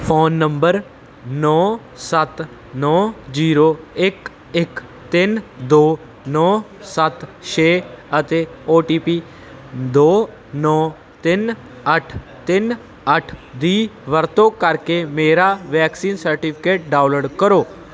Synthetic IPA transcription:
fʰoːnːəmbəɾ | nɔ | sat̪ | nɔd͡ʒiːɾoek | ek | t̪ɪnd̪oː | nɔ | sat̪ʃeət̪eoːʈipi | d̪oː | nɔ | t̪ɪn | əʈʰ | t̪ɪn | əʈʰd̪iːʋəɾt̪okaɾkemeːɾaʋɛːksiːnsəɾʈipʰikeːʈ̚ɖawləɽkəɾoː

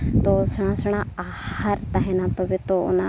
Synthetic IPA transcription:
t̪osəɽ̃ãsəɽ̃ãa | həɾt̪aɦinãt̪obit̪oʊ̰na

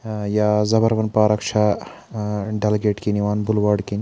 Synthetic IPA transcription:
jaːzɐbɐɾʋɐnpaːɾɐkʃʰa | ɖɐlɡeːʈkiniʋaːnbulʋaːɖkini

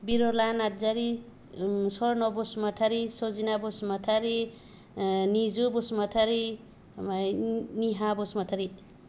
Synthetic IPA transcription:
biɾolanad͡zaɾi | sɔɾnɔbosmat̪ʰaɾisozinabosmʌt̪ʰaɾi | nid͡zubosmat̪ʰaɾi | aniɦabosmʌt̪ʰaɾi

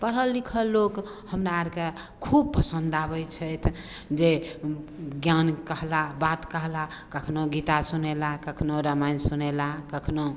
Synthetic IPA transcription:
pəɾɦəlːikʰəlːokhəmɾaaɾke | kʰub̚pəsənd̪abəjt͡ʃʰəjt̪ʰ | d͡ʒe | ɡjankəɦlabat̪kəɦlakəkʰnoɡit̪asunelakəkʰnoɾəmansunelakəkʰno

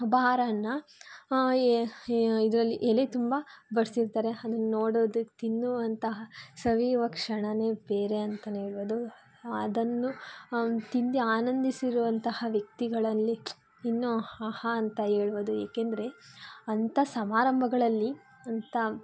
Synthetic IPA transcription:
ubaaːɾɐnːɐ | id̪ɐɾɐlːiʔelet̪umbɐbɐɾsiɾt̪aːɾe̞ɐd̪ɐnːunoːɽoʋd̪ut̪inːuʋɐnt̪ɐɦɐsɐʋiːʋɐkʂɐɳɐne̞ːbeːɾe̞ɐnt̪ɐneːɭʋod̪u | ɐd̪ɐnːu | t̪ind̪iaːnɐnd̪isiɾuʋɐnt̪ɐhɐʋjɐk̚t̪iɡɐɭɐlːiː | nːuahɐːnt̪ɐɦe̞ːɭuʋod̪uḛːkend̪ɐɾe̞ɐnt̪ʰɐsɐmaːɾɐmbʱɐɡɐɭɐlːi | ɐnt̪ɐ

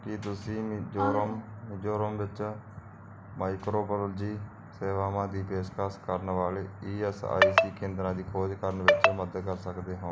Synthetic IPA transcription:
kɪt̪ʊsĩːd͡ʒoːɾmd͡ʒoːɾəmʋɪt͡ʃ | maːɪkɾoːblːld͡ʒiː | seːʋaːʋãːd̪iːpeːʃkaːskəɾnʋaːleːiːɛsa̰ːsiːkẽːnd̪ɾãːd̪iːkʰoːd͡ʒkəɾənʋɪt͡ʃməd̪əkəɾsəkd̪eːɦõː

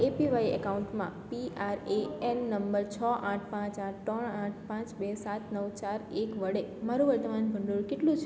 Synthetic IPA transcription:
epiʋaiə̰kauɳʈmã̰piaɾeɛnːəmbəɾt͡ʃʰɔʔãʈʰpãt͡ʃãʈʰt̪ɾəɳãʈʰpãt͡ʃbesat̪nəʋt͡ʃaɾekʋəɽemaɾuʋəɾt̪əmanbʱəɳɖoɾkeʈlũt͡ʃʰ

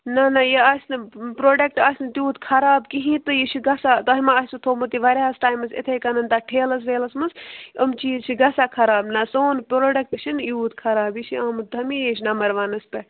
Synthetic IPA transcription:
nɐnɐjeasʲnɨpɾoːɖɐk̚ʈaːsʲnt̪ʲjuːt̪kʰɐɾaːbkiɦĩt̪ɨjit͡ʃʰiɡɐsat̪ɐɦimaːɦsut̪ʰoːmɨt̪iʋɐɾʲaːsʈaːjmɐsḛt̪ʰekɐnɐnt̪aʈʰeːlɐs̬ʋeːlɐsmɐsɐmt͡ʃijit͡ʃʰiɡɐsakʰɐɾaːbnɐsoːnpɾoːɖɐk̚ʈt͡ʃʰinjuːt̪kʰɐɾaːbit͡ʃʰiaːmɨd̪ʰʱɐmijet͡ʃʰʲnɐmɐɾʋaːnɐspɐ

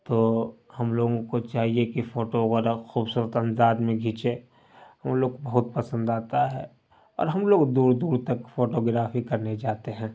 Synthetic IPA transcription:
t̪oːhɐmloːɡõkot͡ʃaːɦiekifoːʈoɣɾəxuːbsuːɾət̪ɐ̃nd̪aːd̪mẽɡʱit͡ʃe | ɦɐmloːɡbɐɦʊt̪̚pɐsə̃nd̪aːt̪aɦɛ | ɔ̰ːɾɦɐmloːɡd̪uːɾd̪uːɾt̪ɐkfoːʈoɡɾaːfikɐɾned͡ʒaːt̪eɦɛ̃ː

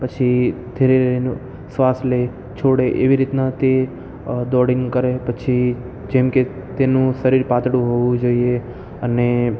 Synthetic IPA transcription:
pət͡ʃʰid̪ʱeɾeɾeenu | sʋasle | t͡ʃʰoɽeʔeʋiɾit̪nat̪e | d̪ɔɽiŋɡkəɾepət͡ʃʰi | d͡ʒɛmke | t̪enũsəɾiɾpat̪ɽũɦoʋũd͡ʒoie | əne

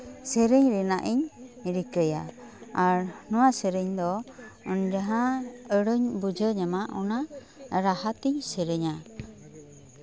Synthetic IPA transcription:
səɾɛɲɾɛnaʔiɲɾikəja̰aɾnɔwasəɾəɲd̪ɔɔnd͡ʒaɦãəɽəɲbud͡ʒəɲamaʔɔna | ɾaɦat̪iɲsəɾəɲa

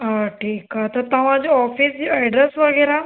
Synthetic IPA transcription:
aʈʰiːkat̪ət̪aʋãd͡ʑiɔfiːsd͡ʑiajɖɾesʋəɡəjɾa

